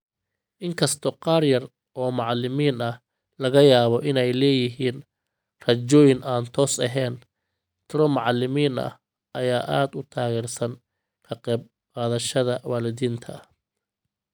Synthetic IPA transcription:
ʔɪŋkʰɐst̪ʰɔqɑːrjɐr | ʔɔːmɑʕɑlɪmiːnɐh | lɐɣɐjaːβɔʔɪnɛjlɛːjɪɦiːn | rɐt͡ʃɔːjɪnʔaːnt̪ʰɔːsɐɦɛːn | t̪ʰɪɾɔmɑʕɑlɪmiːnɐ̰h | ʔɐjaːʔaːd̪ʊt̪ʰaːɣɛːrsɐn | kʰɐqɛːb̚ | qaːðɐʃɐðɐwaːlɪðiːnt̪ʰɐ

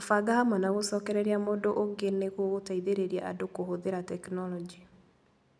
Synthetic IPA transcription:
afaɡahamwɔnaɣosɔːkɛɾɛɾeamodoʔoŋɡeneɣwoɣotaiðeɾeɾiaʔa̰dokoɦoðeɾatɛknɔlɔd͡ʒi

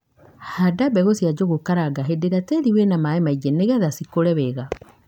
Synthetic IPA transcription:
hadabɛɣosjad͡ʑoɣokaɾaɡaɦedeɾateɾiwenamaemaiɡeneɣɛðasikoɾɛβɛɣa

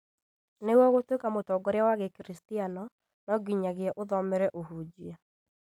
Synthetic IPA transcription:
newɔɣotwekamotɔɡɔɾeawaɣɛkɾistianɔ | nɔɡiɲaɣeɛʔoðɔmɛɾɛʔoɦud͡ʑia

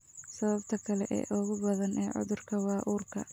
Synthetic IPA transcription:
sɐβɐbt̪ʰɐkʰɐlɛʔɛ̰ːʔʊɣʊbɐðɐnʔɛːʕʊ̰ðʊrkʰɐwɑːʔuːrkʰɐ

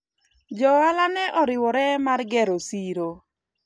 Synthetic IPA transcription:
d͡ʒɔalanɛʔɔɾɪwɔɾɛmarɡɛɾosiɾo

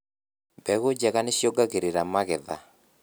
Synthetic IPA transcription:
bɛɣod͡ʒɛkanɪʃjoɡaɡeɾeɾamaɡɛða̰

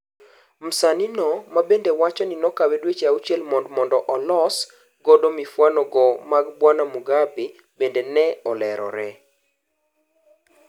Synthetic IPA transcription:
m̩saninɔmabendewat͡ʃɔnɪnɔkawedwet͡ʃaut͡ʃɛlmɔndmɔndɔʔɔlɔs | ɡɔdomifwanɔɡɔmaɡbwanamuɡabe | bendenɛɔlɛɾɔ̰ɾɛ

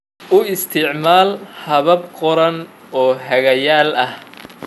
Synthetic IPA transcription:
ʔʊɪst̪ʰɪʕmaːlhɐβɐb̚qɔɾɐn | ɔːɦɐɣɐjaːlɐh

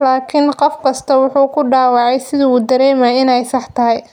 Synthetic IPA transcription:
laːkʰɪnqɔfkʰɐst̪ʰɐwʊħuːkʰʊɖaːwɑʕɑjsɪðɐuːd̪ɐɾɛːmaɪnɛjsɑħt̪ʰɐɦɛj

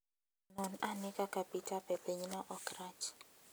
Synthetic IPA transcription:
nɔnanɪkʼakapitʰʼapɛpeɲnaʔɔkrat͡ʃ

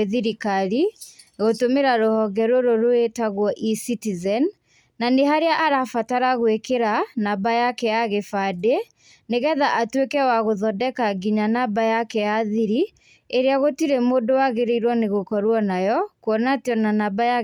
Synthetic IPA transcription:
eðiɾikaɾiɣotomeɾaɾohɔɣɛɾoɾoɾoetaɣwɔʔisitizɛnː | aneɦaɾeaʔaɾafataɾaɣwekeɾanabajakɛjaɣefade | neɣɛðaʔatwekɛwaɣoðɔdɛkaɡiɲanabajakɛjaðiɾi | eɾeaɣotiɾemoːdowaɣeɾeiɾwɔneɣokɔɾwɔnajɔkwɔnatɔnanabaja

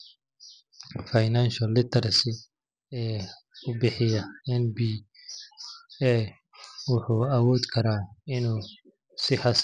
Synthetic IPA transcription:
fajnanʃɐlːɪt̪ʰɐrsɪ | ɛː | ʊbɪħɪjɐɛnbiː | ɛ | wʊħuːɐwɔːd̪kʰɐɾaːɪnuː | sɪħɑs

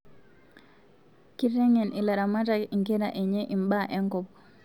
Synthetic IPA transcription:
kiɾɛŋɛnilaɾamataiŋkɛɾaʔɛɲɛʔimbaʔɛŋkɔp

